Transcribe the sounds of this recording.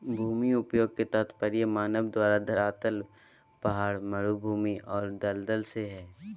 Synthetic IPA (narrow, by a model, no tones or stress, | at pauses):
bʱuːmiʊpjoːɡ̚ket̪ət̪ʰpəɾjəmaːnəbd̪waːɾad̪ʱɐɾaːt̪əl | pɐɦaːɾmɐɾubʱuːmiʔɔːɾd̪əld̪əlseɦɛː